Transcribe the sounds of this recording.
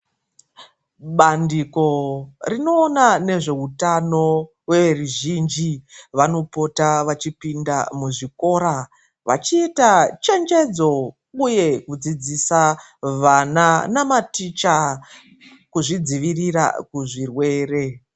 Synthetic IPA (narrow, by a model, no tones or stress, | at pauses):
ɓandiko̞rino̞ːnane̞ʐe̞utano̞ | we̞ʋe̞ruʒind͡ʒiʋano̞po̞taʋat͡ʃipindamuʐiko̞ːɾa | ʋa̰t͡ʃiːtat͡ʃe̞nd͡ʒe̞d͡zo̞ | uje̞kud͡zid͡zisa | ʋananamatit͡ʃa | kuʐid͡ziʋirira̰kuʐirwe̞ːre̞